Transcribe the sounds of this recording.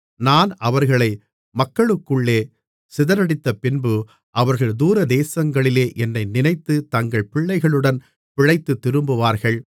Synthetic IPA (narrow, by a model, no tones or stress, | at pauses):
naːnɐʋɐɾɣɐɭɐɪ | mɐkːɐɭɯkːɯɭːeː | sɪðɐɾɐɽɪt̪ːɐpɪnbɯ | ʔɐʋɐɾɣɐɭd̪uːɾɐd̪eːsɐŋɡɐɭɪleːʔɛnːɐɪnɪnɐɪt̪ːɯt̪ɐŋɡɐɭpɪɭːɐɪɣɐɭɯɽɐn | pɪɻɐɪt̪ːɯt̪ːɪɾɯmbɯʋaːɾɣɐɭ